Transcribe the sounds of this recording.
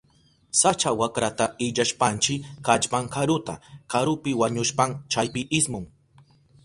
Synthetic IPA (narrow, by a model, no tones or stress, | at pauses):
sat͡ʃawakɾat̪aɪʎaʃpant͡ʃɪkat͡ʃpaŋkaɾʊt̪akaɾʊpɪwaɲʊʃpamt͡ʃajpɪʔɪsmʊŋ